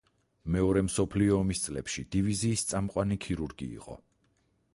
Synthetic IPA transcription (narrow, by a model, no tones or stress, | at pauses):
mɛɔɾɛmsɔpʰliɔːmist̪sʼlɛpʃid̪̥iviziːst̪sʼamqʼwanikʰiɾuɾɡḭːqʼɔ̰